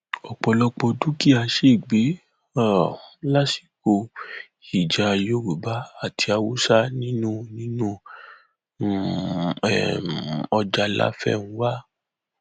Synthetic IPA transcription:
ɔ˨k͡pɔ˧lɔ˧k͡pɔ˧du˦ki˦a˧˦ʃe˦˨ɡ͡be˨˦ | a˦˨la˦si̥˨˦ko˧ | i˨d͡ʒa˨˧jo˦ɾu˨ba˨˦a˦˨tʰi˧a˧wu˦sa˦nĩ˦nũ˦˨nĩ˨˦nũ˦ | ɛ˨ɔ˧d͡ʒa˧la̰˦fɛ̰˦˨nũ˨˦wa˦

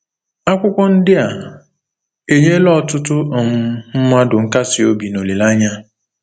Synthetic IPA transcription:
a˦kʷʊ˦kʷɔ˦n̩˦dɪ˦a˨ | e˨ɲe˦lɔ˦˨tʊ˦tʊ˦ɔ˨m̩˦m̩˦ma˦dʊ˨ŋ̩˦ka˦sɪ˨o˦bi˨no˨le˨la˦ɲa˦

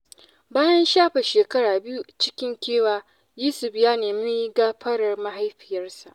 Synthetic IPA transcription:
baː˦jɐ˦nʃaː˦ɸe˨ʃeː˨kɐ˦ɽaː˨bɪ˦ju˦t͡ʃɪ˦kʲɪ˦ŋkʲeː˦waː˨ | jiː˦sʊ˨ɸjaː˦neː˨mi˦ɡaː˦ɸɐ˦ɽɐ˨rma˦ɦa˦jɸɪ˨jɐ˦rsa˨ʔ

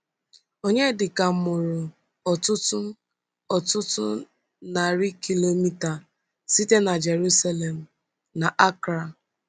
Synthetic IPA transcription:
o˦ɲe˦dɪ˨ka˨m˨ʊ˨ɾʊ˨ | ɔ˨tʊ˦tʊ˦ | ɔ˨tʊ˦tʊ˦ | na˨ɾi˦ki˦lo˦mi˦ta˨ | si˦te˦na˨d͡ʒe˨ɾu˦sa˦le˨m̩˨ | na˨ʔa˦kɾa˨

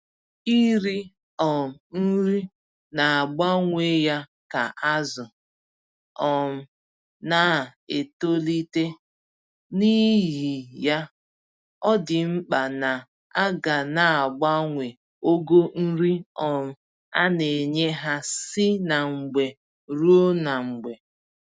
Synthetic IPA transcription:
i˦ɾi˦ | ɔ˨n̩˦ɾi˦ | na˨a˨ɡ͡ba˦ŋʷe˦ja˦ | ka˨ʔa˦zʊ˨ | ɔ˨m̩˨ | na˨e˨to˦li˦te˦ | ni˦ɦi˨ja˦ | ɔ˦dɪ˨ŋ͡m̩˦k͡pa˨na˨ | a˦ɡa˨na˨a˨ɡ͡ba˦ŋʷe˨ | o˦ɡo˦n̩˦ɾi˦ɔ˨m̩˨ | a̰˦ne˨ɲe˦ɦa˦sɪ˦na˨ŋ͡m̩˨ɡ͡be˨ | ɾu˦o˦na˨ŋ͡m̩˨ɡ͡be˨

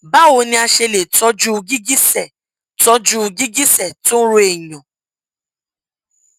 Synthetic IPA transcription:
ba˦˨wo˧nĩ˧a˧ʃe˧le˨tɔ˦d͡ʒu˦˧ɡi˦ɡi˦sɛ˦˨ | tɔ˦d͡ʒu˦˧ɡi˦ɡi˦sɛ˦˨tũ˦ɾo˦e˨ɲɔ̃˨

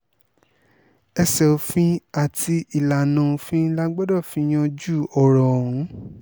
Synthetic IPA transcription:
ɛ˧sɛ˨o˨fĩ˦a˦˨tʰi˧i˨la˨nã˨˧˦o˧fĩ˦la˦ɡ͡bɔ˦dɔ˦˨fĩ˧˦j̃ã˧d͡ʒu˦˨ɔ˨ɾɔ̃˨ũ˨˦

